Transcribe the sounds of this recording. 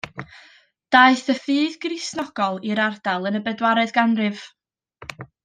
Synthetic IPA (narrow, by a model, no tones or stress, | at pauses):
d̥aɨθəfɨːðɡrisnɔɡ̥ɔlˠiɾardalˠənəbɛdwaɾɛðɡanrɨv̥